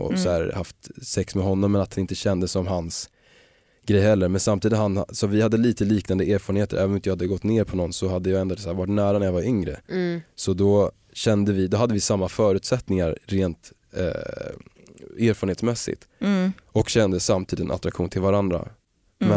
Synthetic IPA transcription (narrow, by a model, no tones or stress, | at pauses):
ɔ̰sɔæːɾhaft̪sɛksmɛɦɔnːɔmːɛnat̪̚d̪anɪnt̪əɕɛnd̪əsːɔmɦans | ɡɾɛjɦɛlːəɾmɛnsamt̪iːd̪ɪt̪hansɔvɪhad̪ːəliːt̪əliːknand̪əʔeːɾfɑɾənheːt̪ə̰ɾʔɛːvnɔɪt̪jːhad̪ːəɡɔt̪ːneːɾpʰɔnɔnsɔhad̪ːəjɑɛnd̪osæːɾvaʈnæːɾanæɾjɑvaɾʏŋɾə̰sɔd̪ɔ | ɕɛnd̪əvɪd̪ɔɦad̪ːəvɪsamːafœːɾʉ̟ːt̪sɛt̪nɪŋaɾːeːnt̪ː | eːɾfœɾəɳnheːt̪smɛsːɪ̰t̪ | ɔkɕɛnd̪əsamt̪ʰiːd̪t̪ɛna̰t̪ɾakɧuːnt̪ʰɪlvaɾand̪ɾa̰ | mɛ